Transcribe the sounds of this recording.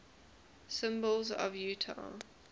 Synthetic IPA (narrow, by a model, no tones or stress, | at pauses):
sɪ̃mbəlˠzə̰vjʉːtʰa̰